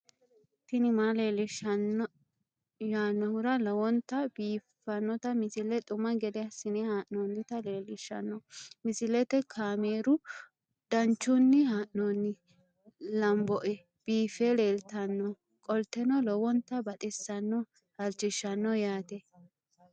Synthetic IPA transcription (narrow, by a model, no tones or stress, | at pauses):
t̪ɪnɪmaːleːlɪʃɐn | jaːnːɔhʊɾɐlɔwɔnt̪ːɐbiːfːɐnːɔt̪ɐmɪsɪlɛt̪ʼʊmːɐɡɛd̪ɛɐsɪnɛhaːʔnonːɪt̪ɐle̞ːlɪʃːɐ̰nːɔmɪsɪlɛt̪ɛkʰaːmeːɾʊ | d̪̥ɐnt͡ʃːʊnːɪhaːʔnonːɪ | lɐmbɔʔɛ | b̥iːfɛleːlt̪ɐnːɔ | kʼɔlt̪ːɛnɔlɔwɔnt̪ːɐbɐt̪ʼɛsːɐnːɔ | hɐlt͡ʃːɪʃːɐnːɔjaːt̪ɛ